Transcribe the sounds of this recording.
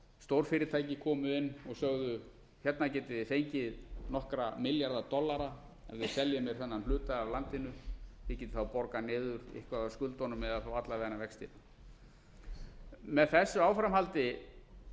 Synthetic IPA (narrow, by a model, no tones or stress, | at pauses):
st̪owɾ̥fɪɾɪt̪ʰaːjcɪkʰɔːmʏɪnːɔɣsœɣðʏ | çɛt̪nacɛːt̪ɪðɪfejɲcɪðnɔhkɾamɪljaɾðat̪ɔlːaɾa | ɛnvɪðsɛljʏmjɛɾ̥θɛnːanhlʏːt̪aavlant̪ɪnʏjɪcɛːt̪ʏ̥θawpɔɾkanɪːðʏɾɪ̰hkvaaskʏlt̪ɔnʏmɛðaθawat̪lavɛːanavɛkst̪ḭːna | mɛðθɛsːʏawfɾamɦhalt̪ɪ